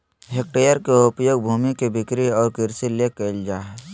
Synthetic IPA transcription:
ɦek̚ʈeːjəɾkeʊpjoːɡbʱuːmikebɪkɾiɔːɾkɪɾsilekəɪld͡ʒaːɦ

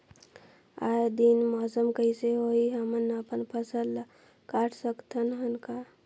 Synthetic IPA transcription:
ajd̪inmɔsəmkəiseɦoiɦəmənəpənpʰəsəl | kaʈʰsəkt̪ʰənɦənka

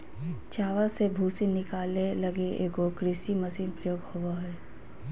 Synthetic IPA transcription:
t͡ʃaːʋəsebʱuːsinɪkaːlelɐɡeʔeːkokɾɪsimɐsiːnpɾəjoːɡhobaɦɛː

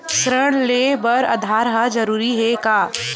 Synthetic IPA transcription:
sɾəɽ̃lebɐɾɐ̰d̪ʱaːɾɦad͡ʒɐɾuːɾiɦɛkaː

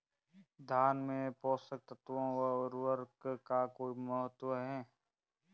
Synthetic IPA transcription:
d̪ʱaːnmẽpɔːsək̚t̪ət̪ʋõwəʊɾwəɾɡkakoːimɔɦət̪wəɦɛː

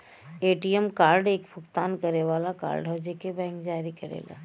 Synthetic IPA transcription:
eːʈijɛmkaːɾɖeːkpʰʊkt̪aːnkɐɾeʋaːlaka̰ːɾɖɦod͡ʒekebɛ̃ːŋkd͡ʒaːɾikɐɾḛːla̰ː

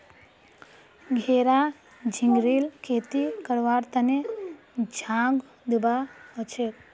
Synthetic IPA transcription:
ɡʱeːɾa | d͡ʒʱiŋɡɾiːlkʰeːt̪ikəɾʋaːɾt̪əne | d͡ʒʱãːŋɡ | d̪ubaət͡ʃʰek

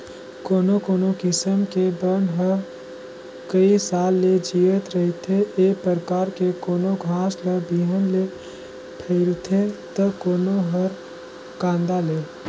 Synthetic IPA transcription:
koːnokoːnokɪsəmkebənɦəɾ | kəisaːlːed͡ʒiːʋət̪ɾəɦit̪ʰeʔeːpɾəɾkaːɾkekoːnoɡʱãːsləbiːɦənle | pʰəɪlt̪ʰet̪əkoːnoɦəɾ | kãːnd̪aleː

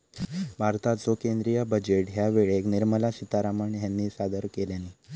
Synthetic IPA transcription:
bʱaɾt̪at͡sɔkend̪ɾijəbəd͡ʑeʈɦjaʋeɭekniɾməlasit̪aɾaməɳjanːiːsad̪əɾkeljanːiː

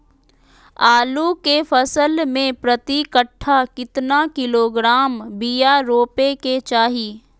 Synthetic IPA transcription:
aːlukefʰəsəlmẽpɾət̪ikəʈʰːakɪt̪nakɪloːɡɾaːmbijaɾoːpeket͡ʃaːɦiː

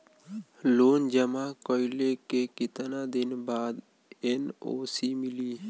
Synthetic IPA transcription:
loːnd͡ʒəmakoɪlekekɪt̪nad̪ɪnbaːd̪ | eno̰ːsimɪliː

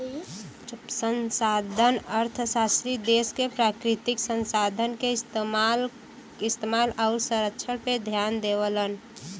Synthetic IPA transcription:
sənsad̪ʱənəɾt̪ʰsast̪ɾid̪eskepɾakɾɪt̪ɪksənsad̪ʱənkest̪mal | ɪst̪emalaʊɾsə̃ɾəkːʃʰəɽped̪ʱjand̪ewələn

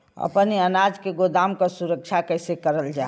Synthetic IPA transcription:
ə̰pniənad͡ʒkeɡod̪aːmkasuɾək̚t͡ʃʰakəɪsekəɾəld͡ʒaː

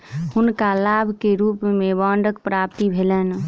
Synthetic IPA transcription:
hunkalabʱkeɾupmebɔɳɖək̚pɾap̚t̪ibʱelən

